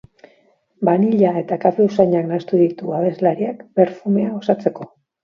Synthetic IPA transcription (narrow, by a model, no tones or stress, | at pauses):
baniʎae̞t̪akafe̞usaɲaknast̪uðit̪uaβe̞zlaɾiakbe̞ɾfume̞ao̞sat͡se̞ko̞